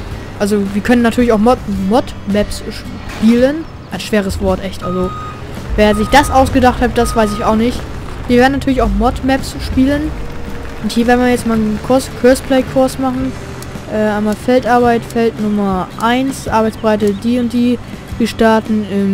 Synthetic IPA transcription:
ʔalzoviːɐkʰœnənːatʰyːɐlɪçaʊxmɔmɔtmɛpsʃ | piːlən | ʔaɪnʃv̥eːʁ̞əsv̥ɔɐtʔɛçtʔa̰lzo | vɛːɐzɪçd̥asʔaʊsɡ̥ədaχthab̚d̥asv̥aɪs̬ɪçaʊxnɪçt | viːveɐdn̩atʰyɐlɪçaʊxmɔtmɛpsʃpiːlən | ʔʊnthiːɐvːɐdnmiːɐjɛt͡stmaːlkʰʊɐskʰœɐspʰlɛɪkʰʊɐsmaχn̩ | ʔɛːʔaɪmaːfɛltʔaɐbaɪtfɛltnʊmɐʔaɪnsʔaɐbaɪt͡ssbəʁaɪtədiːʊnt̚d̥iː | viɐʃtaɐtn̩ɪm

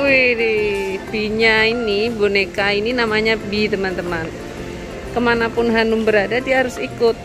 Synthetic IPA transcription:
wihdibiɲainibonekaininamaɲabit̪əmant̪əman | kəmanapʊnɦanʊmbəɾadadiaɦaɾʊsikʊt̪̚

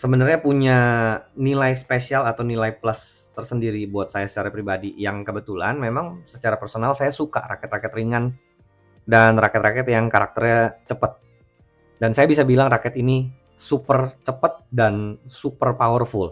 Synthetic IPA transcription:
səbənərɲapuɲanilajspesialat̪awnilajplast̪ərsəndiɾibuat̪̚sajasə̥t͡ʃaɾapɾibadijaŋkəbət̪ulanmemaŋsət͡ʃaɾapərsonalsajasuka̰ɾa̰kɛt̪rakɛt̪riŋan | danrakɛt̪̚rakɛt̪jaŋkaɾak̚t̪ərɲat͡ʃəpət̪̚ | dansajabisabilaŋrakɛt̪ini | supərt͡ʃəpət̪̚dansupərpawərfʊl

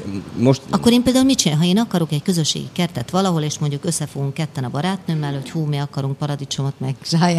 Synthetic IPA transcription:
moʃt̪ɒkːo̞ɾeːmpeːld̪aːulmit͡ʃiɦɒeːnɒkɒɾokɛckø̞zø̞ʃːḛːɡḭkɛrt̪ɛt̪ʋɒlɒɦo̞leːʃmo̞ɲɟukø̞sːɛfoɡuŋkːɛt̪ːɛnɒbɒɾaːt̪nømːɛlho̞choːmeɒkɒɾuŋk̚pɒɾɒd̪it͡ʃo̞mot̪mɛɡʒ̥aːja

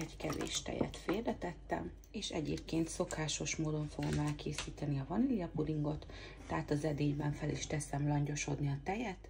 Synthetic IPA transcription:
ɛckɛvḛːʃt̪ɛ̰jɛ̰t̪feːrɛt̪ɛt̪ːɛ̰m | eːʃɛ̰ɟḛːpkeːnt̪so̞kaːʃo̞ʃmoːd̪o̞ɱfo̞ɡo̞̰mɛlkʰeːsiːt̪ɛniɒvɒnilijɒpuliŋɡo̞t̪ː | ɛɦaːt̪ɒzɛd̪eːjbɛɱfɛliʃt̪ɛsɛmlɒɲɟo̞ʃo̞d̪niɒt̪ɛjɛt̪

